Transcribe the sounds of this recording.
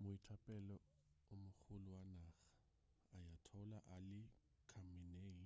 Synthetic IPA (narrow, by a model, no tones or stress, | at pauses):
mʊitʰapʼɛlɔ | ʊmʊk͡xʰʊlʊwanaːχḁː | jatʰɔlaʔalɪ | kʰamɪneːŋ̩